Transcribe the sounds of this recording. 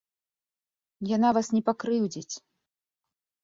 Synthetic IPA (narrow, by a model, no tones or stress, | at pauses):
janavasnʲɛpakɾɨwd͡zʲit͡sʲ